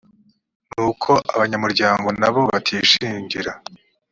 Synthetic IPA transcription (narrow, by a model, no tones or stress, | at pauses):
nuːkʰo̞ʔaβaɲamuɾɟaːŋɡo̞naβo̞βatʰiːʃiːɲɟiɾa